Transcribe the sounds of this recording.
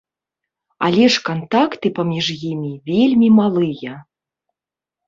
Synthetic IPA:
a̰lʲɛʂkɐnt̪akt̪ɨpɐmʲiʐjimʲivʲelʲmʲimalˠɨjɐ

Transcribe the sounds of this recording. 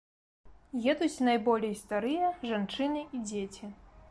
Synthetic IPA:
jɛd̪ut͡sʲnajbɔlʲejst̪aɾɨjɐʐant͡ʂɨnɨid͡zʲet͡sʲi

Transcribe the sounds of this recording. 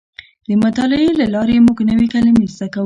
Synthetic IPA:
d̪əmʊt̪ɑlɪelalɑɾemuɡnəwekalamest̪akawə

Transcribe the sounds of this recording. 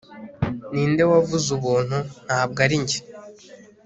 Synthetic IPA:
niːnde̞wavuzuβuːn̥hun̥haːb̚ɡaɾiɲɟe

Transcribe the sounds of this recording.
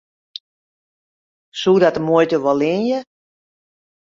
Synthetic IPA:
suːdatəmojtəʋɔlɪnjə

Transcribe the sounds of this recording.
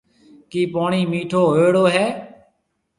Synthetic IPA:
kiːpoːɳiːmiːʈʰoːɦeːɽoːɦɛː

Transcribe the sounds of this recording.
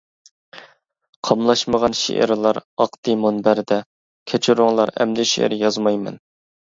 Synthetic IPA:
qʰɑmlˠɑʃməʁɑnʃḛʔɪ̰ɾlˠɑɾɑqt̪ɨmonbæɾd̪ɛ | kʲʰɛt͡ʃʰyɾʊŋlˠɑɾɛ̰md̪ɪʃḛɪ̰ɾjɑzmɑjmɛ̰n

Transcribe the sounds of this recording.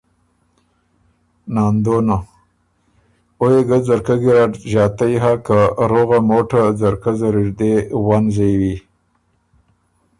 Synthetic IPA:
nɑnd̪ona | ojeɡazaɾkaɡiɾaʈʒɑːt̪ajɦakaɾoɣamoʈazaɾkazaɾiɾd̪ewanzejwi

